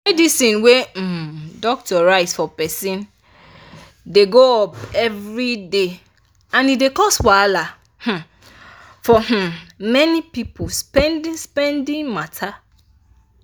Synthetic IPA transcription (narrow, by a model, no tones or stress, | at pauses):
mɛdisĩnwedɔk̚tɔɹaɪsfɔpɛsĩn | deɡoɔpɛvɹide | ãnidekɔswala | h̩ | fɔh̩mɛnipipospɛ̃ndĩspɛ̃ndĩnmatʰa